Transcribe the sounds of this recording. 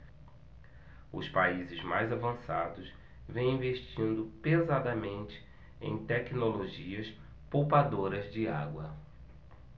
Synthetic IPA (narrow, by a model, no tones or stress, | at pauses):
ʊ̰spaizɪzmajzavɐ̃sad̪ʊs | vẽj̃ĩveʃt͡ʃĩnd̪ʊpezad̪ɐmẽnt͡ʃɪ̥ | ḛ̃j̃t̪ɛknoloʒiɐs | powpad̪oɾɐzd͡ʒɪa̰ɡwɐ